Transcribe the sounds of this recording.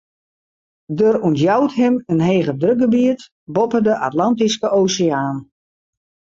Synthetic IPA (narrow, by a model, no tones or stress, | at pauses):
døruntjawtɦɪmənɦeːɣədrøk̚ɡəbiət | bɔpədəʔatlɑntiskəʔoːsɪaːn